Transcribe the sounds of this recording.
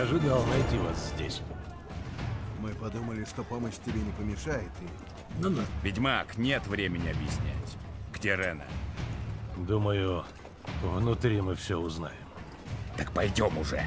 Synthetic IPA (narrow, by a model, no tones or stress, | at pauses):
ɐʐudʲelˠnɐjtʲivaszʲdʲesʲ | mɨpɐd̪uməlʲɪʂt̪opoməɕtʲɪbʲenʲɪpəmʲɪʂajɪt̪ʲɪ | nunavʲɪdʲmaknʲe̞t̪vɾʲemʲɪnʲɪɐbjɪsʲnʲæ̰tʲɡdʲeɾɛnə̰ | d̪uməjʊ | vnʊt̪ɾʲimɨfsʲoʊzna̰jɪm | t̪ək̚pɐjdʲo̞mʊʐɛ̰